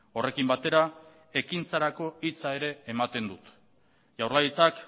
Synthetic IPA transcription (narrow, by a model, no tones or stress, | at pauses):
o̞re̞kimbat̪e̞ɾa | e̞kint͡saɾako̞it͡sae̞ɾe̞ːmat̪e̞nd̪ut̪ | ʝawɾlait͡sak